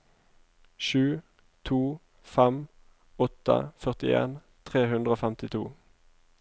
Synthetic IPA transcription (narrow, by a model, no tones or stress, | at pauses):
ʃʉː | t̪ʰuː | fɛm | ɔt̪ə̰fœʁt̪ɪḛːn | t̪ʰʁeːhʉnd̪ʁəoːfɛmt̪ɪt̪ʰuː